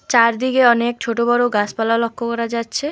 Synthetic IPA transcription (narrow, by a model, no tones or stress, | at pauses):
t͡ɕaɾd̪ikeɔnek̚t͡ɕʰoʈobɔɾoɡaspalalɔkʰːokɔɾad͡ʑatːɕʰe